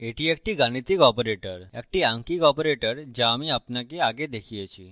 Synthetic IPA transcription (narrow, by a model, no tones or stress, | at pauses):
eʈiek̚ʈiɡaɽ̃it̪ikɔpɾeʈəɾɛk̚ʈiãŋkikɔpɾeʈəɾd͡ʑamiapnakeaɡed̪ekʰiat͡ɕi